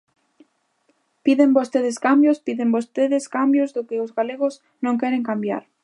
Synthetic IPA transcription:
piðembost̪eðɪskambjʊspiðembost̪eðɪskambjozðʊkɪʊzɣaleɣʊs | nõŋkɛɾeŋkambja̰ɾ

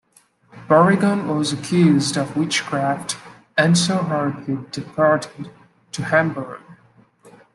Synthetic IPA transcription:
b̥ɜɹɪɡə̃nwʌzəkʰj̥ʉzdʌvwɪt͡ʃkʰɹ̥æft | ɨ̃nsoʊɦɑɹdidɨpʰɑɹɾɪd | tʰɨhæ̃mbə˞ɡ̥̚

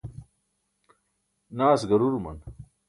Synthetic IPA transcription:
naːsɡɐɾuɾumɐ̰n

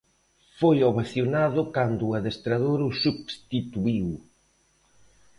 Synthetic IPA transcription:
fojoβaθjonaðʊkand̪ʊaðest̪ɾaðoɾʊsuβst̪it̪uiw

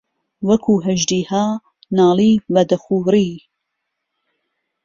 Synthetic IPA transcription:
wɐkʰuːɦɐʒd̪iːhaː | nɑːliːbɐd̪ɐxuːɾiː

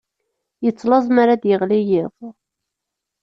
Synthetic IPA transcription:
jət͡sːlɑzˤmaɾad̪jəʁlijɪðˤ

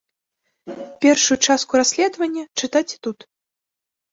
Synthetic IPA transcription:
pʲɛrʂujut͡ʂaskuɾasʲlʲɛd̪vɐnʲːɐt͡ʂɨt̪at͡sʲɛ̥t̪ut̪

